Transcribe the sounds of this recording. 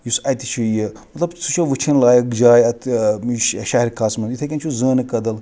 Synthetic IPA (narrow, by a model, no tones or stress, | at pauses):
jusɐjt̪i̥t͡ʃʰujimɐt̪lɐbt͡sʰut͡ʃʰɐʋɨt͡ʃʰinlaːjɐkd͡ʒaːjɐt̪ʃʃaɦiɾʲkʰaːsmɐnjut̪ʰɐkʲɐnt͡ʃʰuzəːnɨkɐd̪ɐl